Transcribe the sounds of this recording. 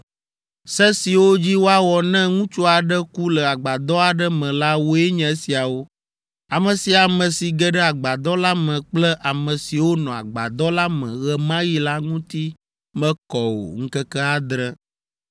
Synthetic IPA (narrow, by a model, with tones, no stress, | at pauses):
sɛ˦si˨wo˦d͡ʑi˦wo˦a˦wɔ˨nɛ̃˦ŋũ˦t͡ʃu˦a˨ɖə˦ku˦lə˨a˨ɡ͡ba˨d̪ɔ˦a˨ɖə˦mɛ̃˨la˦wo˦ɛ˦ɲɛ̃˨˦si˨a˨wo˦ | a˨mə̃˨si˨a˨mɛ̃˨si˨ɡɛ˦ɖɛ˦a˨ɡ͡ba˨d̪ɔ˦la˦mɛ̃˨k͡plɛ˦ʔa˨mɛ̃˨si˨wo˦nɔ̃˨a̰˨ɡ͡ba̰˨d̪ɔ˦la˦mɛ̰̃˨ɣɛ˦mã˦ji˦la˦ŋũ˦t̪i˦ | mɛ̃˦kɔ˨wo̰˨ŋ̩˦kɛ˦kɛ˦a˦d̪ɾɛ˦